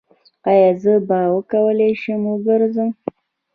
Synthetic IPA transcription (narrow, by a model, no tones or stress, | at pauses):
ɑjɑzəbɑwəkawəleʃəmwəɡəɾzəm